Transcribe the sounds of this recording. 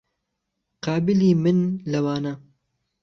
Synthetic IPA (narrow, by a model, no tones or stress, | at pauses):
qɑːbɪliːmɨnlɐwaːna